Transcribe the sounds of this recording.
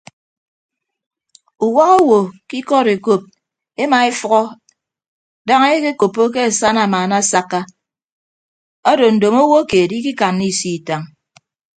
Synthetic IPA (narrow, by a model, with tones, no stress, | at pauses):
u˨wa˦ɣo˦wo˨ki˦kɔ˦ɾe˨ko˦p̚ | e˦ma˨e˦fɔ˦ɣɔ˦ | da˦ŋe˦e˦ke˦ko˨pːo˦k̬e˦e˨sa˦na˨maː˨na˦sa˦kːa˦ | ɔ˦do˨n̩˨do˨mo˦wo˦keː˨di˦ki˦ka˨nːi˦˨si˦˨ta˨ŋ